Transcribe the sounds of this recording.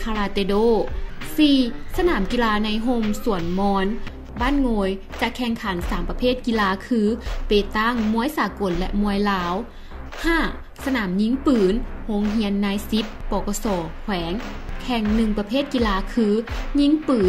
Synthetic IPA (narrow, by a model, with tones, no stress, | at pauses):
kʰaː˧laː˧t̪e˧doː˧˥˨siː˧sa˧naː˩˦mki˧˨laː˧na˧jɦo˧msu˨˩˦ənmɔː˧˥n | baː˥˨nŋoː˧j | t͡ɕa˧˩kʰɛ˧ŋkʰa˨˩˦nsaː˨˩˦mpa˧pʰeː˥˩t̪̚ki˧˨laː˧kʰɯː˧peː˨˩t̪a˥˩ŋmu˧˥əjsaː˨˩˦ko˨˦nlɛ˧ʔmu˧əjlaː˧˦˥w | haː˧˥˩ | sa˧naː˩˦mɲi˧˥ŋpɯː˩˦nho˧˥ŋɦi˧˥ənːaː˧˥jsi˧˦˥pːɔː˧˩kɔ˧sɔː˨˩˦kʰwɛː˩˦ŋ | kʰɛ˧ŋnɯ˧ŋpa˧pʰeː˥˩t̪̚ki˧laː˧˥kʰɯː˧ɲi˧˥ŋpɯː˨˦